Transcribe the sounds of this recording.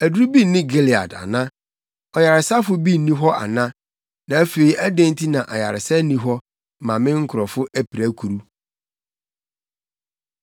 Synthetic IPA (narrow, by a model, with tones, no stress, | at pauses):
æ˨dɾu˦bi˦nɪ̃˦ɡe˦li˨a̰˨da̰˨nã˦ | ɔ˨ja˨ɾɪ˨sa˦fʊ˦bi˦˨nĩ˦ɦɔ˦ʔa̰˨nã˦ | nã˨æ˦fe˨i˨ʔæ˦dæ̃˦ntʰi˦nã˨ʔa̰˨ja̰˨ɾɪ˨sɛ˦nĩ˦ɦɔ˦˨ | mã˨mɪ̃˦ŋ̩˦kʰʊ˨ɾɔ˨fʊ˦ʔæ˦pʰi˨ɾæ˦kʰu˨ɾu˦